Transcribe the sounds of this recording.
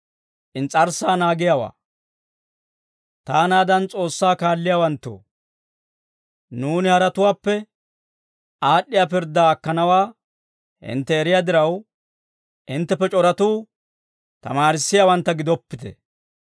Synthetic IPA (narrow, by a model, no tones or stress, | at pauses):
ʔɪnt͡sʼɐɾsaːnaːɡɪjawa̰ː | t̪aːnaːd̪ɐnt͡sʼo̞ːsːaːkaːlːɪjaːwɐnt̪ːo̰ː | nuːnɪhɐɾɐt̪ʊwaːpːɛ | aːɗːɪjaːp̬ɪɾd̪aːkːɐnɐwaː | hɪ̰nt̪ːɛːɾɪjaːd̪ɪɾɐw | ʔɪnt̪ːɛpːɛt͡ʃʼɔɾɐt̪uː | t̪ɐ̰maːɾɪsːɪjawɐnt̪ːɐɡɪd̪ɔpːɪt̪ɛ̰